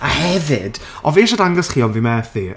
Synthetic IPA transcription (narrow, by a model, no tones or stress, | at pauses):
ahɛvɪd̥ʔɔveːʃadaŋɡɔsχiːɔnvimɛθði